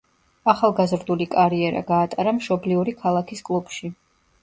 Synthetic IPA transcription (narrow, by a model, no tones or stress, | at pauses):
aχalˠɡazɾd̪ulikʼaɾiɛɾa̰ɡaːt̪ʼaɾamʃɔbliuɾikʰalˠakʰiskʼlˠubʃi